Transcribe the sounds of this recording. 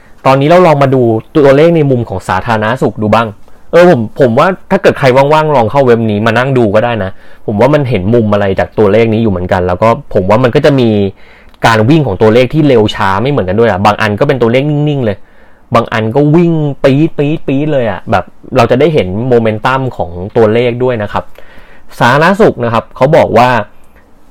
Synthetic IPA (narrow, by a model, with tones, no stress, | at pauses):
t̪ɔː˧nːiː˦˥ɾa˧wlɔː˧ŋmaː˧duː˧t̪u˧leː˥˩k̚na˧jmu˧mkʰɔː˩˦ŋsaː˩˦t̪ʰaː˧ɾa˧na˦˥su˨˩k̚duː˧baː˥˩ŋʔɤː˧pʰo˩˦mpʰo˩˦mwaː˥˩t̪ʰaː˥˩kɤː˨˩t̪̚kʰɾa˧jwaː˥˩ŋwaː˥˩ŋlɔː˧ŋkʰa˥˩wwe˦˥p̚niː˦˥maː˧na˥˩ŋduː˧kɔː˥˩daː˥˩jna˦˥pʰo˩˦mwaː˥˩ma˧nɦe˩˦nmu˧mʔa˧ɾa˧jt͡ɕaː˨˩k̚t̪u˧ɐleː˥˩k̚niː˦˥juː˨˩mɯ˩˦nka˧nlɛː˦˥wkɔː˥˩pʰo˩˦mwaː˥˩ma˧nkɔː˥˩t͡ɕa˨˩ʔmiː˧ | kaː˧nwi˥˩ŋkʰɔː˩˦ŋt̪u˧ɐleː˥˩k̚t̪ʰiː˥˩le˧wt͡ɕʰaː˦˥ma˥˩jmɯ˩˦nka˧du˥˩əjʔa˨˩baː˧ŋʔa̰˧nkɔː˥˩pe˧nt̪̬u˧ɐ˧le˥˩k̚ni˥˩ŋni˥˩ŋlɤː˧j | baː˧ŋʔa˧nkɔː˥˩wi˥˩ŋpiː˦˥piː˦˥piː˦˥lɤː˧jʔa̰˨˩bɛː˨˩p̚ɾa˧wt͡ɕa˨˩daː˥˩jɦe˩˦nmoː˧me˦˥nt̪a˥˩mkʰɔː˩˦ŋt̪u˧ɐleː˥˩k̚du˥˩əjna˦˥kʰa˦˥p̚saː˨˩˦la˦˥su˨˩k̚na˦˥kʰa˦˥p̚kʰa˦˥wbɔː˨˩k̚waː˥˩